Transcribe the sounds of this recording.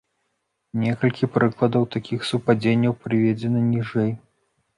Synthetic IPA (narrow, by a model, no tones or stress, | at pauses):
nʲɛkɐlʲkʲipɾɨklˠɐd̪ɐwt̪akʲixsupad͡zʲenʲːɐwpɾɨvʲed͡zʲɛnɐnʲiʐɛj